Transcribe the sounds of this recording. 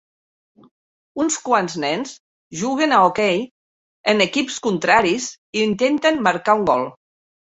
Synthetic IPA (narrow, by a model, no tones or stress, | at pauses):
unskwanznɛnz | ʒuɣenaokɛj | ənəkipskunt̪ɾaɾis | int̪ent̪ənmaɾkauŋɡɔlˠ